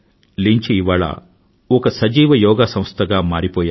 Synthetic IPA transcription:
liɲt͡ʃiːʋaːɭɐ̰ | ɔkɐsɐd͡ʒiːʋɐjɔːɡaːsɐ̃m̃st̪ʰɐɡaːmaːɾipɔːja

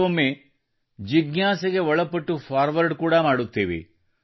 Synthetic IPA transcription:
ɐmːe | d͡ʒiɡnaːsɐɡeɔɭɐpːɐʈːupʰaːɾʋɐɾɖkuːɽɐmaːɽut̪ːeːʋḛ

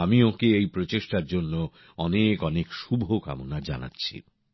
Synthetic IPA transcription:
amiokeejpɾot͡ɕeʃʈaɾd͡ʑonːo | ɔnekɔnekʃubʱoka̰monad͡ʑa̰na̰tːɕʰḭ

